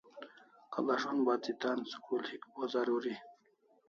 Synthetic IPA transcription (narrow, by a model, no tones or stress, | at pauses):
ka̰baʂonbaːt͡sit̪aːnsu̥kʰulhikbozaɾuɾi